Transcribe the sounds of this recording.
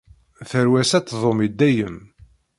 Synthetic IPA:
θəɾwæsæt͡sːðˤomid̪ːæjəm

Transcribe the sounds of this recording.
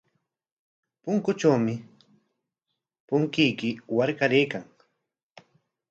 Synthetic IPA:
pʊŋkʊt͡ʃawmɪ | pʊŋkɪjkɪwaɾkaɾejkaŋ

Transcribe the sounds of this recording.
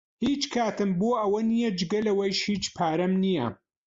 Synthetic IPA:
hiːt͡ʃkʰaːt̪ɨmboːʔɐwɐnijɐd͡ʒɪɡɐlɐwɐjʃhiːt͡ʃpʰaːɾɐmnijɐ̰

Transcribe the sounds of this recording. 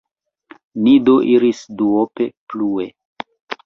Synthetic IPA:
nidoʔiɾisduope̞plue

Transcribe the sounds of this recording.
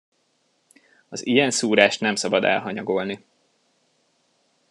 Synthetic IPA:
ɒzijɛnsuːɾaːʃt̪nɛmsɒbɒd̪ɛ̰lɦɒɲɒɡo̞lni

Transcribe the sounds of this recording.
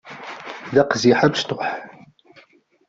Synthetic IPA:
ðæqziħavʃt̪ʊħ

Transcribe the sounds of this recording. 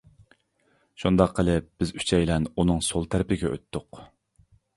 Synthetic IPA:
ʃund̪ɑqʰːəlˠɪp̚b̥ɪzy̥t͡ʃʰɛjlɛnunɨŋsolˠt̪ʰæɾɪpɪɡʲɛø̰t̪ʰːʊq

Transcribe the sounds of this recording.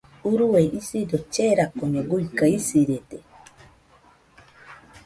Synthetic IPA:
uɾueʔisidot͡ʃeɾakoɲoɡuikaisiɾet̪e

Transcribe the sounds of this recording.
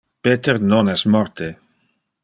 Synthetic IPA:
peːt̪ernonɛsmɔrt̪e

